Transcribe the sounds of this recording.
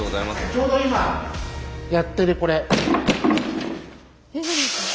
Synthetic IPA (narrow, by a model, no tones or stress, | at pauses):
ozaimast͡ɕo̞ːd̪o̞ima | jat̪ːe̞ɾɯ̟ko̞ɾe̞